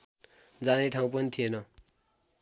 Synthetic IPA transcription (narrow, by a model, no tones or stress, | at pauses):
d͡zaneʈʰaũpʌnit̪ʰienʌ